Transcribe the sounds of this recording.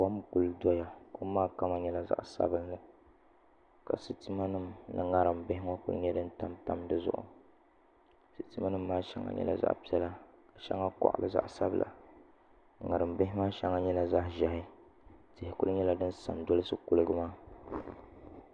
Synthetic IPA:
a˦mku˨ldɔ˦ja˨ko˦maː˦ka˦ma˨ɲɛ˦la˦za̰˦˨ʔsa̰˦bɨ˦nːɨ˨ | ka̰˨sɨ˦ti˦ma˦nɨ˦mnɨ˨ŋa˦ɾɨ˨mbɪ˦hɪ˦ŋa˦kʊ̰˦lɨ̰˦ɲɛ˦dɨ˦n̩˦ta˦mta˦mdɨ˦zʊ̰˦ʔʊ̰˨ | sɨ˨ti˦ma˦nɨ˦m̩ː˦aː˦ʃɛ̰˦ŋa̰˨˦ɲɛ̰˦la̰˨za̰˦ʔpi˦ɛ˦la˦ka˨ʃɛ̰˦ŋa˦kɔ̰˦ʔbɨ˨za̰˦ʔsa˦blʔa̰˨ | ŋa˨ɾɨ˨mbɪ˦hɪ˦maː˦ʃɛ˦ŋa˦ɲɛ˦la˨za˦hʒɛ˨ɦɪ˦ | tɪ˨hɪ˨kʊ˦lɲɛ˦la˦dɨ˦n̩˦sa̰˨mdɔ˦lɨ˦sɨ˦kʊ˦lɨ˦ɡɨ˦maː˦

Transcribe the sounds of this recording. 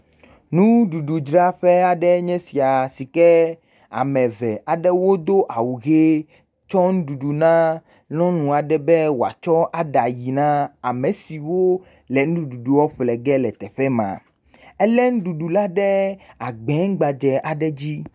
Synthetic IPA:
nũ˦ɖu˨ɖu˨d͡ʒɾa˦ɸɛ˦a˨ɖɛ˦ɲɛ̃˦si˨a˨si˨kɛ˦ | a̰˨mɛ̃˨vɛ˨ʔa˨ɖɛ˦wo˦d̪o˦ʔa˨wu˨ɣe˦ | t͡ʃɔ˦ŋũ˦ɖu˨ɖu˨nã˦ | lɔ̃˦nũ˨a˨ɖɛ˦bɛ˦wo˨a̰˨t͡ʃɔ˦ʔa˨ɖa˨ji˨nã˦a˨mẽ˨si˨wo˦ | lɛ˨nũ˦ũ˦ɖu˨ɖu˨wɔ˦ɸlɛ˨ɡɛ˦lɛ˨t̪ɛ˨ɸɛ˦mã̰˨ | ɛ˦lɛ˦nũ˦ɖu˨ɖu˨la˦ɖɛ˦a˨ɡ͡bɛ̃˨˦ŋ˦ɡ͡ba˨d͡ʒɛ˨ʔa˨ɖɛ˦d͡ʑi˦

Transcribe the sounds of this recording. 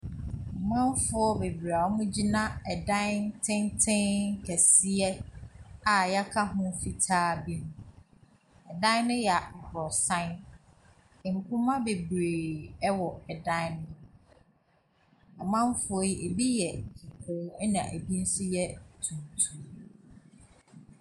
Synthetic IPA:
mã˦m˦fʊ˦ɔ˦be˨bɾa˨ɔ˦mʊ̃˦d͡ʑi˦nã˦ɛ˨dã˦nntʰɪ̃˦ntʰɪ̃˦n˦kʰɛ˨si˦ɛ˦ | a˨ja˦kʰa˦ɦʊ̃˦fi˨tʰaː˦bi˦nʊ̃˨˦ | ɛ˨dã˦nʊ̃˦jɛ˨ɔ˨bɔ˨sã˦n˨ | ŋ̩˨kʰʊ̃˦mã˦be˨bɾeː˨ɛ˦wɔ˨ɛ˨dã˦nʊ̃˦ | a˨mã˦m˦fo˦i˦ʔe˨bi˦jɛ˨kʰi˨kʰo˨˦ɛ˦nã̰˨ʔæ̰˨bi˦n̩˦sʊ˦jɛ˦tʰũ˨n˨tʰu˨˦

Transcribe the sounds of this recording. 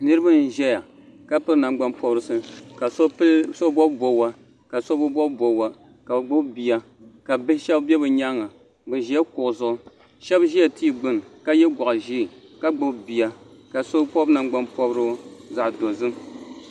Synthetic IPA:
nɨ˦ɾɨ˦bɨ˦n̩˦ʒɛ˦ja˨ | ka˦pɨ˦ɾna˨ŋ͡mɡ͡ba˦npɔ˦bɾɨ˦sɨ˦ka˨˦so˦bɔ˦bbo˨wa˦ | ka˨so˦bɨ˦bɔ˦bbo˨wa˨ | ka˨bɨ˨ɡ͡bʊ˦bbi˨ja˨ | ka˨bʃɛ˦bbɛ˦bɨ˨ɲa˦ŋa˨ | bɨ˨ʒi˨˦a˦kʊ˨ʔʊ˨zʊ˦ʊ˦ | ʃɛ˦bʒi˦ja˨ti˦˨ɡ͡bɨ˦n˨ka˦jɛ˦ɡʷɔ˨ʔa˨ʒi˦˨ka˦ɡ͡bʊ˦bbi˨ja˨ | ka˨so˦po˦bna˨ŋ͡mɡ͡ba˦npɔ˦bɾɨ˦za˨ʔdo˨zɨ˦m

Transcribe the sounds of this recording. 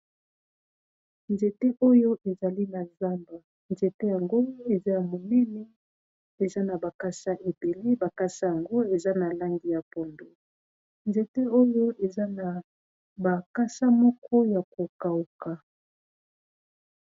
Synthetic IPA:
nd͡ʒe˨te˦ʔo˦jo˦ʔe˨za˨li˦na˨za˦mba˨ | nd͡ʒe˨te˦ja˨ŋɡo˦e˨za˦ja˨mo˨nɛ˦ne˦ | e˨za˦na˨ba˨ka˦ʃa˦ʔe˨be˨le˦ba˨ka˦ʃa˦ja˨ŋɡo˦e˨za˦na˨la˦ŋɡi˨ja˨pɔ˨ndo˨ | nd͡ʒe˨te˦o˦jo˦e˨za˦na˨ | ba˨ka˦ʃa˦mɔ˦kʰɔ˦ja˨ko˨ka˨u˨ka˨

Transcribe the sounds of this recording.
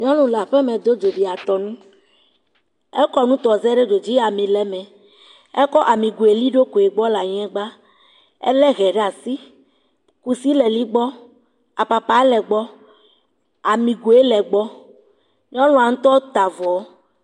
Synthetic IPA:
ɲɔ̃˦lũ˦la˨ɸɛ˦mẽ˨d̪o˦d͡ʒo˨ɖi˨a˨t̪ɔ˨nũ˦ | ɛ˦kɔ˦nũ˦t̪ɔ˨zɛ˦ɖe˦ɖo˨d͡ʑi˦a˨mĩ˨lɛ˨mɛ̃˨ | ɛ˦kɔ˦ʔa˨mĩ˨ɡu˨e˨li˦ɖo˦ko˨e˨ɡ͡bɔ˦la˨ɲ˦ɛ̃˦ɡ͡ba˦ | ḛ˦lɛ˦ɣɛ˨ɖe˦a˨si˦ | ku˨si˦lɛ˨li˦ɡ͡bɔ˦ | a˨pa˨pa˨ɛ˦lɛ˨ɡ͡bɔ˦ | a˨mĩ˨ɡu˨e˦lɛ˨ɡ͡bɔ˦ | ɲ˦ɔ̃˦lõ˦a˨ŋũ˦t̪ɔ˦t̪a˨vɔ˨˦

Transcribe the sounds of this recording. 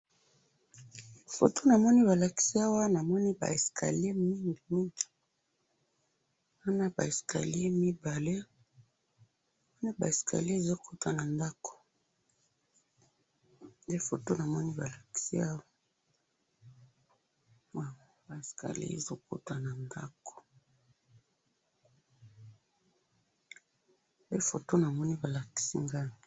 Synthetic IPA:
fo̰˨to˦na˨mɔ˦ni˦ba˨la˨ki̥˨si˦a˦wa˦na˨mɔ˦ni˦ba̰˨e˨skʰa̰˨le˦mi˦ŋɡi˨mi˦ŋɡi̥˨ | wa˦na˦ba̰˨e˨ska̰˨le˦mi˦ba˨le˦ | a˨mɔ˦ni˦ba̰˨e˨skʰa̰˨le˦e˦˨zo˦kʰu˦twa˨na˨nda˦ko̥˨ | nde˦fo˨to˦na˨mɔ˦ni˦ba˨la˨ki̥˨si˦a˦wa˦ | wa˦wa˦ba˨e˨skʰa̰˨lḭ˦ḛ˨zo˦ko̰˦twa˨na˨nda̰˦ko̥˨ | be˦fo˨to˦na˨mɔ˦ni˦ba˨la˨ki̥˨sḭ˦ŋɡa˦ni˨

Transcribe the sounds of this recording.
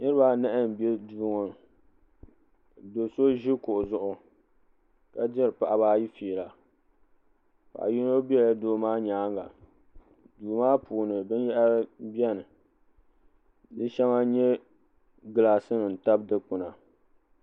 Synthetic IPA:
nɨ˦ɾba˨nɛ˦ʔɪ˦˨n˨bɛ˦duː˨˦ŋo˨ | do˨so˦ʒi˦kʊ˨ʔʊ˨zʊ˦ʔʊ˦ | ka˦dɪ˦ɾɨ˨pa˨ʔa˨baː˦ji˦fiː˨la˨ | pa̰˨ʔa˨ji˦no˦bi˦ɛ˦˨a˨doː˦maː˦ɲaː˨˦ŋɡa˨ | duː˨maː˦pʰuː˨nɨ˨bɨ˦njɛ˦ʔa˦bi˦ɛ˦nɨ˨ | dɨ˦ʃɛ˦ŋa˦ɲɛ˦ | ɡɨ˨la˨sɨ˦nɨ˨n̩˨ta˦bdɨ˦k͡pʊ˨na˨

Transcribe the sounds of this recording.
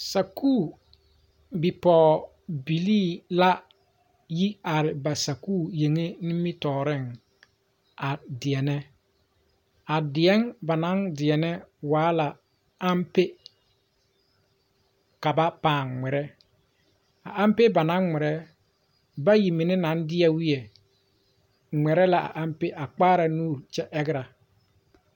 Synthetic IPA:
sa˨kuː˦˨ | bi˨pɔː˨ | bi˨liː˦˨la˦ | ji˦a˨ɾɪ˨ba˨sa˨kuː˦˨je˨ŋe˦ni˦mi˦tɔː˨ɾɪ˦ŋ | a˨dɪ˨ɛ˨nɛ˦ | a˨dɪ˨ɛ˦ŋba˨na˦ŋdɪ˨ɛ˨nɛ˦waː˨˦la˨ | a˦mpe˦ | ka˨ba˦paː˨ŋŋɛ˨ɾɛ˦ | a̰˨ʔa˦mpe˦ba˨nã˦ŋːɛ˨ɾɛ˦ | ba˦ji˨mɪ˨nɪ˦na˨˦n˦dɪ˦ɛ˦wi˦ɛ˨ | ŋ͡mɛ˨ɾɛ˦la˨ʔa̰˨ʔa˦mpe˦ʔa˨k͡paː˦ɾa˨nuː˦˨ɾt͡ʃɛ˦ʔɛ˦ɡɪ˦ɾa˨

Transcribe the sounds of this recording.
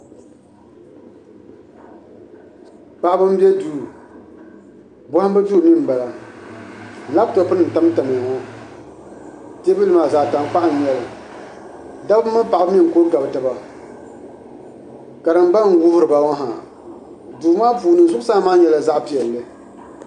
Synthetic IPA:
k͡pa˨ʔbɨ˦m˦bɛ˦duː˦ | bɔ˦ha˦bɨ˦duː˦˨nɨ˦m̩˨ba˨la˨ | la˦b̚to˨˦pɨ˦nɨ˨n̩˨ta˦m˦ta˨mɨ˨ŋɔ˦ | te˦bi˦lɨ˦maː˨za˨ta˨m˦k͡pa˦ʔa˦n˨ɲɛ˦lɨ˨ | da˦bmːɨ˦pa˨ʔa˨bɨ˦mi˦ŋ˨ko˦ɡa˨bta˨ba˨ | ka˨dɨ˨m˦ba˦n˦˨wʊ˦hʊ˦ɾɨ˨ba˦wɔ˦ɦa̰˨ | duː˨˦maː˦puː˨nɨ˨zʊ˦ʔʊ˦sa˦maː˦ɲɛ˨la˨za˦ʔpi˨ɛ˨lːɨ˦

